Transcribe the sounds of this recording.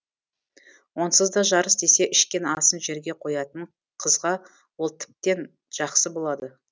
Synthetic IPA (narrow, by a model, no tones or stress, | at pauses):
wʔo̞nsəzd̪ɑʒɑɾəsd̪e̞seʔɪʃkʲenɑsənʒe̞ɾɡʲe̞qʰo̞jɑt̪əɴ | qʰəzʁɑ | wo̞lˠt̪ʰɪ̥p̚t̪e̞n | ʒ̥ɑqsəbo̞lˠɑd̪ə